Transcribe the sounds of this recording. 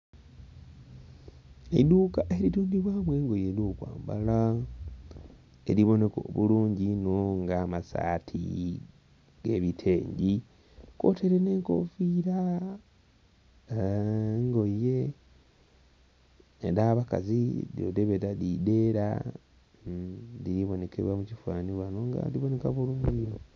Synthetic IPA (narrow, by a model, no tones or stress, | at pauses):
eduːkaʔe̞ɾiɾuːndiβwaːmwe̞ːŋɡo̞jeljokwa̰ːmbala | e̞ɾiβo̞ne̞ko̰ːβuluːɲɟinoŋɡaːmasa̰ːtʰi | ɡ̥e̞βitʰe̞ːɲɟi | ko̞̰te̞ɾene̞ːŋko̰fiːɾa | ŋɡo̞jːe̞ | ɾaːβaka̰zidio̰deβeɾadide̞ːɾa̰ | diɾiβo̞ne̞kḛβwamucifwaːniβwanoŋɡa̰diβo̞ne̞kaβuluːɲɟio